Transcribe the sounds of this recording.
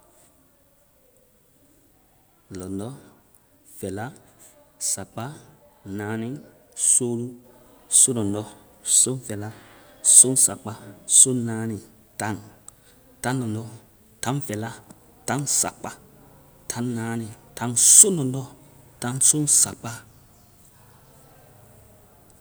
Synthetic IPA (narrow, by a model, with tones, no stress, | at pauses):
lɔ˨ndɔ˦ | fɛ˨la˦ | sa˨k͡pa˦nã˨˦nĩ˦so˦lu˦so˦nɔ̃˨ndɔ˦ | so˦fɛ˨la˦so˦ŋ˦sa˨k͡pa˦so˦nã˨˦ni˨ | tã˦˨ŋ | tã˦lɔ˨ndɔ˦ | tã˦ŋfɛ˨la˦ | tã˦ŋsa̰˨k͡pa˦ | tʰã˨˦ŋnã˨˦nĩ˨tã˦ŋso˦nɔ̃˨ndɔ˦tã˦ŋso˦ŋsa̰˨k͡pa˦